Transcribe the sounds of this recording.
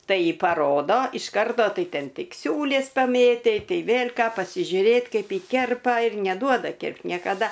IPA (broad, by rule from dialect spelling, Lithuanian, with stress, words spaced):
ˈtɐɪ pɐˈroːdoː ɪʃ ˈkɐrtoː ˈtɐɪ ˈtʲɛn ˈtʲɪk ˈsʲuːlʲeːs pɐˈmʲeːtʲɛɪ ˈtɐɪ ˈʋʲeːlʲ ˈkɑː pɐsʲɪʒʲʊˈrʲeːt ˈkɐɪp ˈjɪ ˈkʲɛrpɐ ɪr nʲɛˈduɔdɐ ˈkʲɪrpt nʲiɛkɐˈdɐ